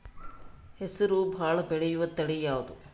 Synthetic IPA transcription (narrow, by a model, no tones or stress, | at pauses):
hesɐɾubʱaːɭɐbɛɭejuʋɐt̪ɐɽejaːʋud̪u